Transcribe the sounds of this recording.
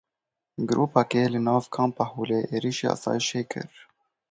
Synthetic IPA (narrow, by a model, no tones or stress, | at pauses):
ɡɾʔuːpɛkeːlɪnɑːvkʰɑːmpɑhuːleːʔeːɾiːʃeːʔɑ̰ːsɑ̰ːjɪʃeːkʰɨ̰ɾ